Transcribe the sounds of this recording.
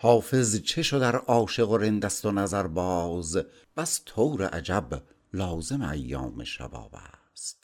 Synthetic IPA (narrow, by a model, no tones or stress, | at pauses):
hɒːfe̞zt͡ʃʰe̞ʃod̪æɾʔɒːʃe̞ɣoɾend̪æst̪onæzæɾbɒːz | pʰæst̪ʰowɾḛʔæ̰d͡ʒæb | lɒːzemeæjːɒ̰ːmḛʃæ̰bɒ̰ːbæ̰ | st̪